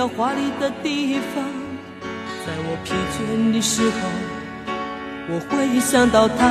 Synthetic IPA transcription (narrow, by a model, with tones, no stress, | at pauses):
ə˧xwa˧˥li˧˩d̪ə˧t̪i˥˧fɑ˧˥ŋ | t͡sa˥˩ɪwɔ˨˩pʰi˧˥ŋt͡ɕʰɥɛ˥nli˧˥ʂɻ̩˥xɑ˨˧˩ | wɔ˨˩xwe˥˧ɪi˧˥ɕjɑ˨˩ŋt̪ɑ˥˩ʊt̪ʰa˥